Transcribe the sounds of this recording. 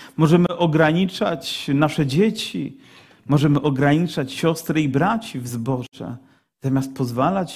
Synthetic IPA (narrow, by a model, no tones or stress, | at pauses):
mɔʐɛmɘʔɔɡɾaɲit͡ʂa̰t͡ɕnaʂɛd͡ʑet͡ɕi | mɔʐɛmɘʔɔɡɾaɲit͡ʂat͡ɕɕɔst̪ɾɛibɾat͡ɕivzbɔʐɛ̰ | z̥amʲjast̪̚pɔzvalat͡ɕ